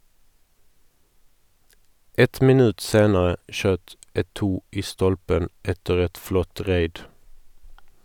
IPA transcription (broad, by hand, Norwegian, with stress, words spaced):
ˈɛt mɪˈnʉːt ˈseːnəʁə ˈʃøːt ʔɛˈtuː ˈʔiː ˈstɔlpən ˈʔɛtəʁ ˈɛt ˈflɔt ˈʁeɪd